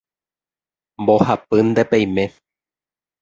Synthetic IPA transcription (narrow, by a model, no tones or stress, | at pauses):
mbohapɨnd̪epej̃mẽ̞